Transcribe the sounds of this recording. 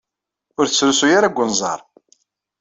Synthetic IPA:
ʊɾθət͡sːɾusujaɾaɡʷːənzˤɑ̰ɾˤ

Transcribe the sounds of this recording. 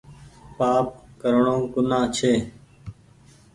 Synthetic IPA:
paːp̚kəɾɳõːkʊnãːt͡ʃʰeː

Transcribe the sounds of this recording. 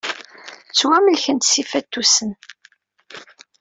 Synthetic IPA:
t͡sːwæməlçənt̪sifæt̪ːusən

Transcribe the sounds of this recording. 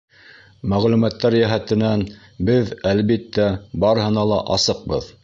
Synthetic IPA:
mæʁlʉmæt̪ːæɾjæɦæt̪ɘ̆næn | bɘðælβit̪ːæbɑɾɤ̆hɤ̆nɑlˠɑ̰ʔɑsɤq̚bɤð

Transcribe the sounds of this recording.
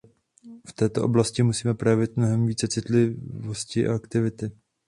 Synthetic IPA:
ft̪ɛːt̪o̞ʔo̞blascɪmusiːmɛpɾojɛvɪt̪̚mno̞ɦɛmviːt͡sɛt͡sɪt̪lɪvo̞scɪʔa̰ʔakt̪ɪvɪt̪ɪ

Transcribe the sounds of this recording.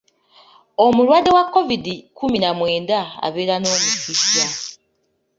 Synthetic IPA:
omuɾwade̞wakːovidikuminamwe̞ːndaa̰βeɾano̞ːmuisja

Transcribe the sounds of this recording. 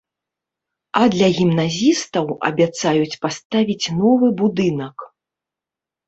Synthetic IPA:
ɐd̪lʲɐɣʲimnazʲist̪ɐwɐ̰bʲat̪sajut͡sʲpast̪avʲit͡sʲnɔvɨbud̪ɨnɐk

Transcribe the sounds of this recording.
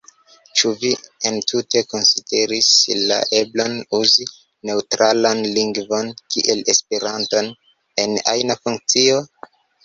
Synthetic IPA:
t͡ʃuvientʰute̞ko̞nside̞ɾisla̰ʔe̞blo̞nuzi | ne̞utɾalanliŋɡvo̞nkiʔe̞le̞speɾanto̞n | e̞na̰jnafuŋk̚t͡sio̞

